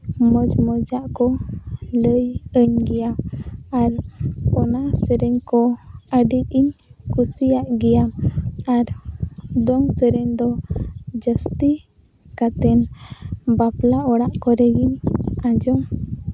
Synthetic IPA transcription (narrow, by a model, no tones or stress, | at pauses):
məd͡ʒmɔd͡ʒaʔkɔləjəɲɡɛjaaɾɔnasəɾɛɲkɔəɖiiɲkusijaʔɡɛjamaɾ | d̪ɔŋsəɾɛɲd̪ɔd͡ʒəst̪i | kat̪ɛn | baplaɔɽaʔkɔɾɛɡiɲad͡ʒɔm